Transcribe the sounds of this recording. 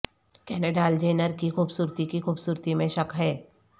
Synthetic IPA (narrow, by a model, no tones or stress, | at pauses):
kɛːneɖaːld͡ʒeːnəɾkixuːbsuːɾt̪ikixuːbsuːɾt̪imẽʃɐkɦɛː